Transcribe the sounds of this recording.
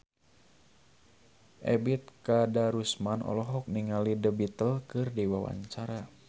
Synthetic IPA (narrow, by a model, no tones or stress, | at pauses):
ʔɛbit̪̚kadaɾusmanʔɔ̰lɔɦɔk̚niŋalidəbit̪əlkɨrdiwawa̰ɲt͡ʃaɾa